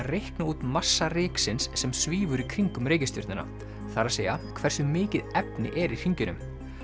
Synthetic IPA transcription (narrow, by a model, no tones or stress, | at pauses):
rejhknauːt̪masːarɪːksɪnsːɛmsviːvʏɾikʰɾiŋkʏmɾeːjcɪst̪jʏ̰ɾt̪nɪna̰ | θaɾaðseːjakʰvɛr̥sʏmɪːcɪðɛpnɪ̰ʔɛɾir̥iɲcʏnʏ̰m